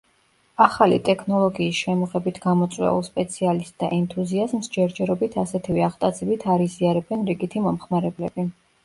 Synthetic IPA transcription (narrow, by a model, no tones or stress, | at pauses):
aχalḭt̪ʼɛkʰnɔlˠɔɡiːsʃɛmɔʁɛbit̪ʰɡamɔt̪sʼwɛ̰ṵlˠspʼɛt̪sʰialist̪ʼd̪a̰ʔɛnt̪ʰuziazmsd͡ʒɛɾd͡ʒɛɾɔbit̪ʰasɛt̪ʰivɛaʁt̪ʼat̪zʰɛbit̪ʰaɾiziaɾɛbɛnɾiɡit̪ʰimɔmχmaɾɛblɛbi